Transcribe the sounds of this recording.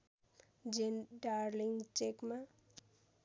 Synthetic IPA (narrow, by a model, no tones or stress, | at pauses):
d͡ʒenɖaɾliŋɡt͡ʃekma